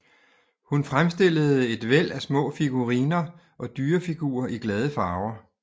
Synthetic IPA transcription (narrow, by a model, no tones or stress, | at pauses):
hunfʁamsd̥e̝l̰əð̞̩ˠe̝d̥ʋel̰æsmɔ̰̽ːfiɡ̥uʁiːnɐ | ʔɒ̽d̥yːɐfiɡ̥ṵːɐʔiɡ̥lɛð̞ˠəfɑ̈ʊɐ